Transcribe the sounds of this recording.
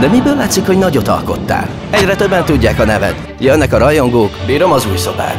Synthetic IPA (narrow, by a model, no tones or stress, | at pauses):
d̪ɛmibøːlːaːt̪sikho̞ɟnɒɟo̞t̪ɒ̰lko̞̰t̪ːa̰ːl | ɛɟrɛt̪øbːɛnt̪uɟːaːkɒnɛvɛ̰t̪ | jønːɛkɒɾɒjo̞ŋɡoːkbiːɾømɒzuːjso̞ba̰ːk